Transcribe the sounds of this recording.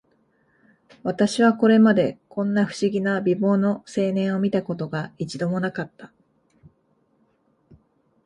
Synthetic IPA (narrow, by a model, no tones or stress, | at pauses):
βat̪aɕiβ̞ako̞ɾe̞mad̪e̞kõ̞nːaɸɯ̟̥ɕiɡʲinabʲibo̞ːno̞se̞ːnẽ̞ɰ̃o̞mʲit̪ako̞t̪o̞ɡait͡ɕid̪o̞mo̞nakat̪ːḁ